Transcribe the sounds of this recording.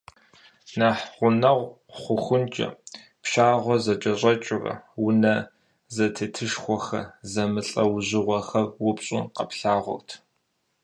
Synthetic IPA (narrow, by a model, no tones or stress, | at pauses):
naːħʁʷʊnɐʁʷ | χʷʊxʷʊnt͡ʃʼɐ̰ | pʃaːʁʷɔzɐt͡ʃʼɐɕʼɐt͡ʃʼɪrɐ̰wʊnɐ | zɐtʰɨtʰɨʃxʷɔxɐ̰zɐmɨɬʼɐwʑɪʁʷɔxɐrwʊpɕʼʊqɐpɬaːʁʷʊ̰rtʰ